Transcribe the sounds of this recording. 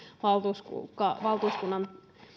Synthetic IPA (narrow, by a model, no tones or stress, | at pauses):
ʋɑlt̪uskkɑʋɑlt̪uːskunːɑn